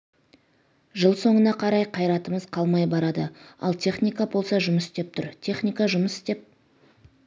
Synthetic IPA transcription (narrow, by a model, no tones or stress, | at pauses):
ʒəlˠso̞ɴənɑqʰɑɾɑjqʰɑjɾɑt̪əməzqʰɑlˠmɑjbɑɾɑd̪əɑ̰lˠt̪ʰe̞χnijkabo̞lˠsɑʒʊməsɪst̪e̞p̚t̪ʰʊɾt̪ʲʰe̞χnʲijkɑʒʊməsɪ̥st̪e̞p̚